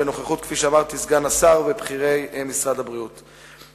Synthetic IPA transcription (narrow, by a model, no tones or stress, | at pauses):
eno̞χaχut̪̚kfiʃeamaʁt̪isɡanasaʁvebχiʁe̞jmisʁad̪abʁiut̪